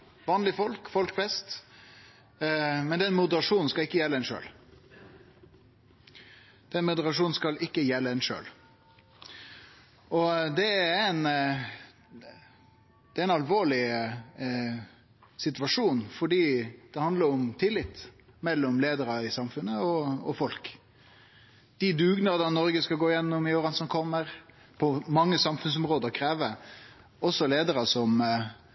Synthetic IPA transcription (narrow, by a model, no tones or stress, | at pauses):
ʋɑːnlɪfɔlkfɔlkfɛst̪ | mɛnd̪ɛnmʊd̪əɾɑʂuːnn̩skɑlɪkːəjɛlːəɛnʂø̰ːl | d̪̥ɛnmʊd̪əɾɑʂuːnn̩skɑlɪkːəjɛlːəɛnʃø̰ːl | ʔɔd̪ɛæn | d̪̥ɛæɾɪnɑlʋoːɭɪ | sɪt̪ʋɑʂuːnfɔɖiːd̪̥ɛhɑnd̪ləɾɔmt̪ʰɪlːɪt̪ː | mɛlːɔmleːd̪əɾɑɪsɑmfʉnːəɔɔ̰fɔlk | d̪̥ɪd̪ʉːɡnəɾd̪ɑnɔɾɡəskɑɡoːɪjɛnːɔmɪoɾɑnsɔnkʰɔmːəɾ | pʰɔmɑŋːəsɑmfʉns̬ɔmɾoːd̪əɾkʰɾeːʋə | ɔsːɔleːd̪əɾəsɔm